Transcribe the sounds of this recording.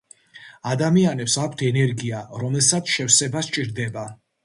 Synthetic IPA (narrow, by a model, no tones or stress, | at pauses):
ad̪amianɛpsakʷʰt̪ʰɛnɛɾɡiaɾɔmɛlˠsat̪sʰʃɛfsɛbast͡ʃʼiɾd̪ɛba